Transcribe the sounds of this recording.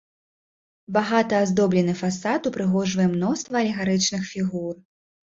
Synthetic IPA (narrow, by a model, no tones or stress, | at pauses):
baɣat̪ɐazd̪ɔblʲɛnɨfasat̪upɾɨɣɔʐvɐjɛmnɔst̪vɐɐlʲɛɣaɾɨt͡ʂnɨxfʲiɣur